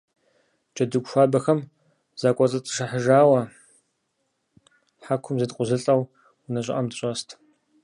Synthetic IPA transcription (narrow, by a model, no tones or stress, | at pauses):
d͡ʒʼɐdɨɡʷʃʷaːbɐxɐm | z̥aːkʷʼɔt͡sʼɐt͡sʼɨ̥ʂɨħəʒaːwɐ | ħakʷʰʊmzɐtqʷʼʊzɨɬʼɐw | wnɐɕʼɪ̰ʔʼɐmdɨɕʼɔstʰ